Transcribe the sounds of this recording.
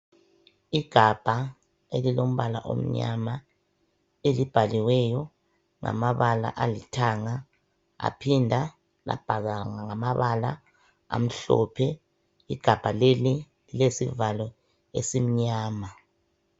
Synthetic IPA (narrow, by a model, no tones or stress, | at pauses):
iɡ̥ʱab̥ʱa | elilom̩βala̰ʔo̰m̩ɲama | elib̥ʱaliwɛjɔ | ŋa̰maβala̰ʔalitʰaŋa | a̰pʰindʱa | la̰b̥ʱaɣaŋaŋamaβala | a̰m̩ɬɔ̰pʰɛ | iɡ̥ʱab̥ʱaleli | lilesivalɔ | esim̩ɲaːma